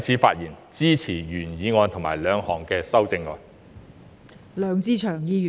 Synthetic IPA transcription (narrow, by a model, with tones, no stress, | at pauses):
jt͡sʰi˨˥fa̰ː˧t̚jiː˨˩nt͡siː˥t͡sʰiː˨˩jyː˨˩njiː˨˧ŋɔː˧nt̪ʰo˨˩ŋma̰ː˨˩jlœː˨˧ŋhɔː˨˩ŋkɛː˧sɐ˥wt͡sɪ˧ŋːɔ̰ː˧n | lœː˨˧ŋt͡siː˥t͡ʃʰœː˨˩ŋjiː˧jy˨